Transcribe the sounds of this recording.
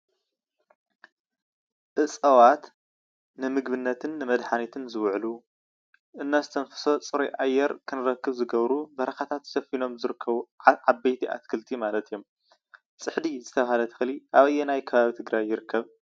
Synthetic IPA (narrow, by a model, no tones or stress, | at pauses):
ʔɨsʼɐwat̪ | nɨmɨɡbɨnːɐt̪ʰɨnːɨmɐd̪ħanit̪ʰɨnzɨwʕlu | ʔɨnːazɨt̪ʰɐnfɨ̥so̞t͡sʼɨɾojʔajːɛɾkʰɨnɨɾɐkːɨβzɨɡɐβɾubɐɾɐxat̪ʰat̪sɐfino̞mzɨɾɨkʰːɐβuʕabɐjt̪ʰiʔa̰t̪kʰɨlt̪ʰimalɐt̪ijo̞m | sʼɨħd̪izɨt̪ʰɐβahalɐt̪ʰɨ̥xɨliʔaβɐjːɛnajkʰɐβaβit̪ʰɨɡɾajːɪɾɨkːɐβ